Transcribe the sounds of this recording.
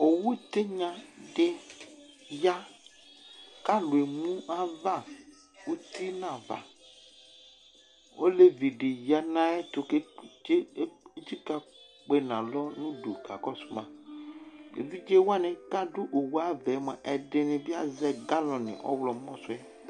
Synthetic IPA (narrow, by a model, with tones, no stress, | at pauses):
o˨wu˦t̪e˦ɲã˦ɖe˦ | ja˦ | ka˦lu˨e˨mũ˦a˦va˦˨ | wu˦t̪i˦nã˨va̰˨ | wʔo˦le˦vi˨ɖe˨ja˦nã˦ɛ˦t̪o˨ke˦d͡ʒe˦t͡ʃi˦ka˦ | k͡pe˦nã˨lɔ˦nũ˦ɖṵ˨ɡa̰˨kɔ˦su̥˦mã̰˨ | ḛ˨vi˦d͡ʒe˦wa˦nẽ˨ka˦ɖu˦ʔo˨wu˦a˦vɛ˨˦mɛ̰˨ʔɛ˨ɖe˨nẽ˨bi˦a˦zɛ˦ɡa˦lɔ̃˨nḭ̃˨ʔɔ̰˦wlɔ˨mɔ̃˦so˦ɛ˦